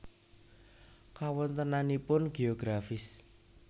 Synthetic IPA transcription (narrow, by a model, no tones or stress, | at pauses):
kawɔnt̪ənanipʊnɡ̥eoɡ̥ɾafɪs